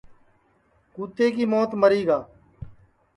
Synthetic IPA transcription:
kuːt̪eːkiːmoːt̪məɾiːɡaː

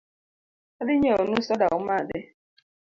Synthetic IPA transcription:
adɪɲeonusadaumade

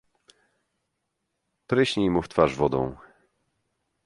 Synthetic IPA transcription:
pɾɘɕɲejmuft̪faʐvɔd̪ɔ̰̃w̃

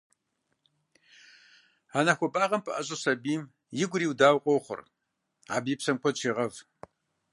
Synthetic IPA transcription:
aːnaxʷɔbaːʁɐmpʰɨʔɐɕʼɐsɐbiːm | jɪɡʷʊriːwdaːwqʷʼowχʷʊ̰r | a̰ːbiːpsɐmkʷʰɔt͡ʃʰiːʁɐv

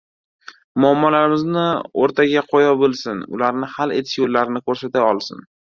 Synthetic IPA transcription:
mʊamːɒlaɾɪmɪznɪoɾt̪ʰaɡʲaqʰɒjɒbolˠsɪnʊ̰laɾnɪhale̞t̪ʰɪ̥ʃjolːaɾɪnɪkʰoɾsat̪aɒlˠsɪ̰n

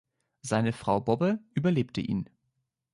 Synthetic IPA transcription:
zaɪnəfʁ̥aʊbɔbəʔyːbɐleːptəʔḭːn

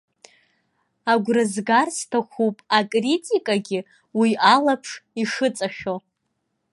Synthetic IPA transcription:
aɡʷrɨzɡarstʰaχʷupʼakʼritʼikʼaɡʲɪ | wialapʰʂiʂɨt͡sʼaʃᶣo

